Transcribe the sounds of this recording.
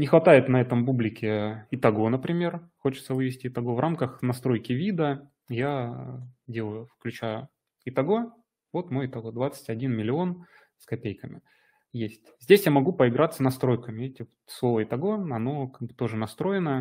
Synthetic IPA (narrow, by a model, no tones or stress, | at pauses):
nʲɪxvɐt̪ajɪt̪nɐɛt̪əmpublʲɪkʲɪɪt̪ɐɡo̞nəpɾʲɪmʲe̞rxot͡ɕɪ̥t̪səvɨvʲɪsʲtʲɪɪt̪ɐɡo̞vʔamkəxnɐst̪ɾo̞jkʲɪvʲid̪ə | ja | dʲe̞lˠəjʊfklʲʉt͡ɕa | ɪt̪ɐɡo̞ | vo̞t̪mojɪt̪ɐɡo̞d̪vat̪sɨ̥tʲɐdʲinmʲɪlʲɪo̞n | skɐpʲejkəmʲɪ̰ | jesʲtʲzʲdʲesʲjamɐɡupəɪɡɾat̪sənɐst̪ɾo̞jkəmʲɪetʲɪ | slˠo̞vəɪt̪ɐɡo̞ɐno̞kaɡ̚bɨt̪o̞ʐɨnɐst̪ɾo̞jɪnəjə